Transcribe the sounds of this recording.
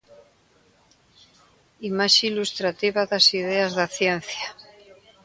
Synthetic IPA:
imaʃilust̪ɾat̪iβaðasiðeazðaθjen̟θja

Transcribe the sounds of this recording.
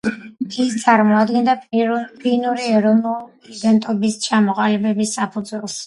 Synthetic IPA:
ist̪sʼaɾmɔad̪ɡɛnd̪apʰinuɾiɛɾɔnul | id̪ɛnt̪ʼɔbist͡ʃʰamɔqʼalibɛbisːapʰud̪zwɛlˠs

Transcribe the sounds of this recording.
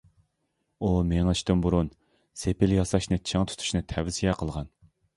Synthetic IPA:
umeŋɨt͡ʃʰt̪ɨmbuɾun | sepɪljɑsɑʃnɨt͡ʃʰɪŋt̪ʰu̥t̪ʰu̥ʃnɨt̪ʰɛvzijɛqʰəlˠʁɑn

